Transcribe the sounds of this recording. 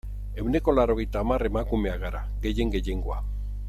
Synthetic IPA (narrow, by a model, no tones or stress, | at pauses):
e̞wne̞ko̞laɾo̞ɣe̞jt̪aːmare̞makume̞aɣaɾa | ɣe̞je̞ŋɡe̞je̞ŋɡo̞a